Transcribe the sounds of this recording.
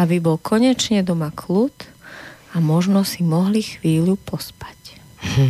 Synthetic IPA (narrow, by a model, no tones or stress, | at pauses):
abibɔlkʰɔɲɛt͡ʃɲɛd̪ɔmakʰlut̪ | amɔʒnɔsimɔɦlixʋiːʎupɔspḁc